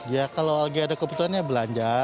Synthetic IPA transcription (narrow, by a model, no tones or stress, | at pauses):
ijakalolaɡiadakəbut̪uanɲabəlaɲd͡ʒa